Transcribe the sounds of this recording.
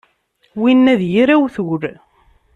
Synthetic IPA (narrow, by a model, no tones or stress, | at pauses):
winːæðjiɾæwθwɾ